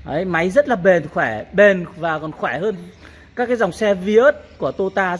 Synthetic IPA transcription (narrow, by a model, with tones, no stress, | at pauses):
ʔə˨˦jma˨˦jzə˦˥t̚laː˨˩ɓe˨˩nxwɛː˧˩ɓe˨˩nvaː˨˩kɔ˨˩nxwɛː˧˩həː˧n | kaː˦˥kːaː˨˦jza˨˩wŋ͡msɛ˧vi˧˦ə˦˥t̚ku˧˩ət̪o˧t̪aː˧